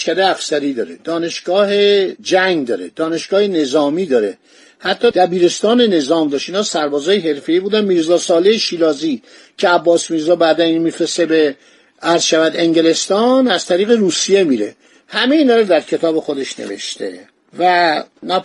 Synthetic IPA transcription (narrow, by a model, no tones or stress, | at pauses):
kæd̪eæfsæɾiːd̪ɒːɾed̪̥ɒːne̞ʃɡ̥ɒːɦe̞d͡ʒæŋɡd̪ɒːɾe̞d̪̥ɒːne̞ʃɡ̥ɒːhene̞zɒːmiːd̪ɒːɾe̞ | hæt̪ʰːɒːd̪̥æbiːɾe̞st̪ɒːne̞ne̞zɒːmd̪ɒːʃiːnɒːsæɾbɒːzɒːjeɦe̞ɾfe̞iːbuːd̪ænmiːɾzɒːsɒːlejeʃiːlɒːzi | cʰe̞æbːɒːsmiɾzɒːbæd̪æninmiːfɾesebe | æɾz̥ʃævæd̪e̞ŋɟe̞le̞st̪ɒːnæz̥t̪ʰæɾiːɣeɾuːsije̞miːɾe̞̰ | hæmeiːnɒːɾed̪æɾcʰe̞t̪ʰɒːbe̞xo̞d̪e̞ʃnḛvḛʃt̪ḛ | vænæ